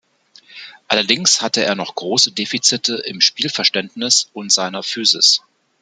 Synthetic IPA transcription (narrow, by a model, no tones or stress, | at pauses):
ʔalɐdɪŋshatəeːɐnɔχɡ̥ʁoːsədeːfit͡sɪtʰəɪmʃpiːlfɛɐʃtɛntnɪsʊntz̥aɪnɐfyːzɪs